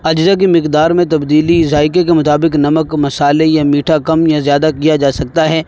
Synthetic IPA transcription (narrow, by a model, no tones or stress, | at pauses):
ɐd͡ʒzak̬imɪqd̪aːɾmẽt̪ɐbd̪iːlizaːɪk̬ek̬emʊt̪aːbɪknɐməkmɐsaːlejamiːʈʰakɐmjazjaːd̪akijad͡ʒaːsɐk̚t̪aɦɛː